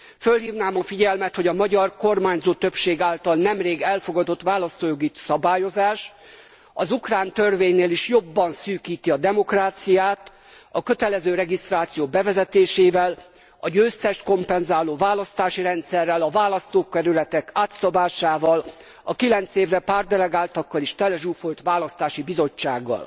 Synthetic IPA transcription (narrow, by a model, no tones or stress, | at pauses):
følɦiːvnaːmɒfiɟɛlmɛt̪ho̞ɟɒmɒɟɒrko̞rmaːɲzoːt̪ø̞pʃeːɡaːlt̪ɒlnɛmreːɡɛlfo̞ɡɒd̪o̞t̪ʋaːlɒst̪oːjoɡisɒbaːjo̞zaːʃ | ɒzukraːnt̪ørveːɲːeːliʃjo̞bːɒnsyːkiːt̪iɒd̪ɛmo̞kraːt̪sijaːt̪ | ɒkø̞t̪ɛlɛzøːɾɛɡist̪raːt̪sijoːbɛvɛzɛt̪eːʃeːvɛl | ɒɟøːst̪ɛʃt̪ko̞mpɛnzaːloːvaːlɒst̪aːʃiɾɛnt̪sɛrːɛlɒvaːlɒst̪oːkːɛɾylɛt̪ɛkaːt̪sɒbaːʃaːvɒl | ɒkilɛnt̪seːvrɛpaːrd̪ɛlɛɡaːlt̪ɒkːɒliʃt̪ɛlɛʒuːfo̞lt̪ʋaːlɒst̪aːʃibizo̞t͡ʃːa̰ːɡːɒ̰l